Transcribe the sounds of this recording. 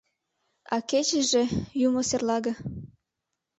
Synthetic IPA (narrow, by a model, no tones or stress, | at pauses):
ɑket͡ɕə̆ʒĕjumoserlɑɣɤ̆